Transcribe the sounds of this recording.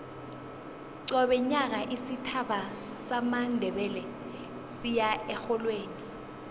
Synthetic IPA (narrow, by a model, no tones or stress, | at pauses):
ǀɔɓɛɲak̬aʔisitʰaɓa | samandʱɛɓɛlɛ | sijaɛxɔlweːni